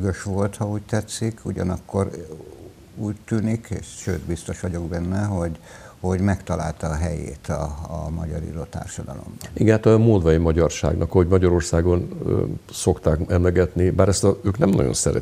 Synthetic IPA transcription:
ɡøʃʋo̞lt̪hɒuːct̪ɛt̪sikʰuɟɒ̰nɒkːo̞r | uːct̪yːnikḛːʃʃøːt̪bist̪o̞ʃʋɒɟo̞ɡbɛnːɛɦo̞ɟ | ho̞ɟmɛkt̪ɒla̰ːlt̪ɒːɦɛjḛːt̪ɒ̰ːmɒ̰ɟɒɾḭɾoːt̪a̰ːrʃɒd̪ɒlo̞̰mbɒniɡɛnat̪ɒmoːd̪ʋɒjimɒɟɒrʃa̰ːɡnɒkɒɦoɟmɒɟɒɾo̞rsaːɡo̞n | so̞kt̪aːkɛmlɛɡɛt̪nibaːɾɛst̪ɒøːknɛmnɒ̰ɟo̰nsɛɾɛ̰

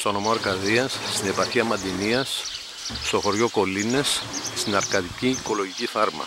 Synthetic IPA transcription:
st̪ono̞moɐɾkɐðiɐsːt̪ine̞pɐɾçiɐmɐd̪iniɐs | st̪o̞xo̞ɾʝo̞ko̞line̞sst̪inɐɾkɐt̪iciːko̞loʝiciθɐɾmɐ̰

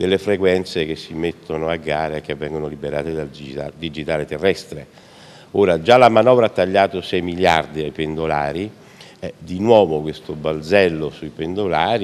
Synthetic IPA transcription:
d̪elːefɾekwɛnt̪sek̟esːimet̪ʰːonoaɡːaːɾeek̟ːevːɛŋɡonolibeɾaːt̪ed̪alad̪id͡ʒit̪aːlet̪erːɛst̪ɾe | oːɾad͡ʒalamanɔːvɾaat̪ːaʎːaːt̪osɛjmiljard̪iajpend̪olaːɾi | ɛd̪inwɔːvokwest̪obald̪zɛlːosuipend̪olaːɾi

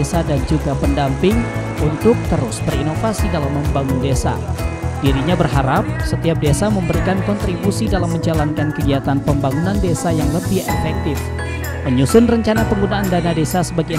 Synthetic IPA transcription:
esadand͡ʒuɡapəndampɪŋ | unt̪ʊk̚t̪əɾʊsbərinofasidalamːəmbaŋʊndesa̰d̥iɾiɲabərɦaɾap̚sət̪iap̚desaməmbəɾikankɔnt̪ɾibusidalamːəɲd͡ʒalankankəɡiat̪anpəmbaŋunandesajaŋləbɪhefɛk̚t̪ɪf | məɲusʊnrəɲt͡ʃanapəŋɡunaʔːndanadesasəbaɡi

